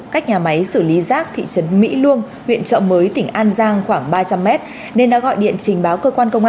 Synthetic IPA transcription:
kaː˦˥k̚ɲaː˨˩ma˨˦jsɨ˧˩li˨˦zaː˦˥k̚t̪ʰḭ˧˨t͡ɕə˨˦nmḭ˧˥lu˧əŋ | hwḭ˧˨ənt͡ɕə̰ː˧˨məː˨˦jt̪ï˧˩ŋ̟ʔaː˧nzaː˧ŋxwaː˧˩ŋɓaː˧t͡ɕa˧mːɛ˦˥t̚ | ne˧nɗa̰ː˧˥ɣɔ̰˧˨jɗḭ˧˨ənt͡ɕï˨˩ŋ̟ɓaː˨˦wkəː˧kwaː˧nkə˧wŋ͡mʔa˧

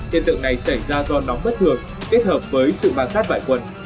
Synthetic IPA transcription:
t̪ʰḭ˧ənt̪ɨ̰˧˨ŋna˨˩jsa˧˩jzaː˧zɔ˧nɔ˨˦wŋ͡mɓə˦˥t̚t̪ʰɨ˨˩əŋ | t̪i˦˥ət̚həː˨˩p̚vəː˨˦jsɨ̰˧˨ɓaː˨˩nsaː˦˥t̚va̰ː˧˨jkwə˨˩n

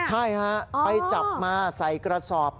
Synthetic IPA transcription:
t͡ɕʰa˥˩jkʰa˦˥pa˧jt͡ɕa˨˩p̚maː˧sa˩˦jkɾa˧sɔː˨˩p̚

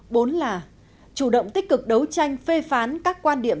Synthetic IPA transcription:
ɓo˨˦nlaː˨˩ | t͡ɕu˧˩ɗə̰˧˨wŋ͡mt̪ï˦˥k̟̚kɨ˨˩k̚ɗə˨˦wt͡ɕa˧jŋ̟fe˧faː˨˦nkaː˦˥kːwaː˧nɗi˧˩əm

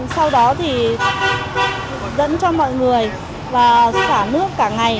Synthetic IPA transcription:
sa˧wɗɔ˨˦t̪ʰi˨˩ | zə̰˧˥nt͡ɕɔ˧mɔ̰˧˨jŋɨ˨˩əj | vaː˨˩saː˧˩nɨ˦˥əkːaː˧˩ŋa˨˩j

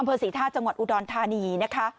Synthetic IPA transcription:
ʔa˧mpʰɤː˧siː˩˦t̪ʰaː˥˩t̚t͡ɕa˧ŋwa˨˩t̪̚ʔu˨˧˩dɔː˧nt̪ʰaː˧niː˧na˦˥kʰa˦˥

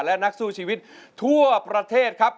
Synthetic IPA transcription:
lɛ˦˥na˦˥k̚suː˨˩t͡ɕʰiː˧wi˦˥t̪̚ʰu˥˩ɐpɾa˧t̪ʰeː˥˩t̪̚kʰa˦˥p̚

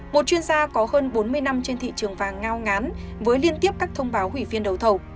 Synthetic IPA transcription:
mo˨˩t̚t͡ɕwi˧ənzaː˧kɔ˨˦həː˧nɓo˨˦nmɨ˧əjna˧mt͡ɕe˧nt̪ʰḭ˧˨t͡ɕɨ˨˩əŋvaː˨˩ŋːaː˧wŋaː˨˦n | vəː˨˦jli˧ənt̪i˦˥əp̚kaː˦˥k̚t̪ʰə˧wŋ͡mɓaː˨˦wɦwi˧˩vi˧ənɗə˨˩wt̪ʰə˨˩w

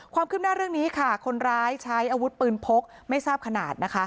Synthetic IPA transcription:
kʰwaː˧mkɯː˥˩p̚naː˥˩ɾɯ˥˩ŋniː˦˥kʰa˥˩kʰo˧nɾaː˦˥jt͡ɕʰa˦˥jʔaː˧wu˦˥t̪̚pɯː˧npʰo˦˥k̚ | ma˥˩jsaː˥˩p̚kʰa˧na̰ː˨˩t̪̚na˦˥kʰa˦˥

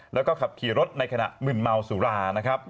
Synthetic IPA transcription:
lɛː˦˥wkɔː˥˩kʰa˨˩p̚kʰiː˨˩˦ɾo˦˥t̪̚na˧jkʰa˧na̰˨˩ʔmɯ˨˩nma˧wsuː˩˦ɾaː˧na˦˥kʰɾa˦˥p̚

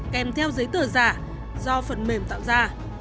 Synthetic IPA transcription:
kɛ˨˩mt̪ʰɛ˧wzə˨˦jt̪əː˨˧˩zaː˧˩ | zɔ˧fə˨˩nme˨˩mt̪a̰ː˧˨wzaː˧˩

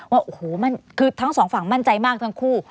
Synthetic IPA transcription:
waː˥˩ʔo˨˩hoː˨˩˦ma˥˩nkʰɯː˧t̪ʰa˦˥ŋsɔː˩˦ŋfa˩˦ŋma˥˩nt͡ɕa˧jmaː˥˩k̚t̪ʰa˦˥ŋkʰuː˥˩

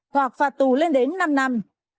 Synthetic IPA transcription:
t̪ʰwaː˨˩k̚faː˨˩t̚t̪u˧˨˩le˧nɗe˨˦nːa˧mna˧m

